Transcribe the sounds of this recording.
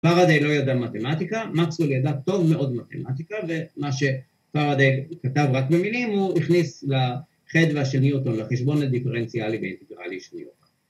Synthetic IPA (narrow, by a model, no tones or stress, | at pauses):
faʁad̪ejlo̞jad̪amat̪emat̪ikamaksuljad̪at̪o̞vmeʔo̞d̪mat̪e̞̰mat̪ikave̞maʃe̞ | faʁad̪ejkat̪avʁakbeminimhuiχnisla | χed̪veaʃeniot̪onlaχeʃbo̞nad̪ifeʁent͡sialibeḭnt̪eɡʁa̰liʃenḭot̪an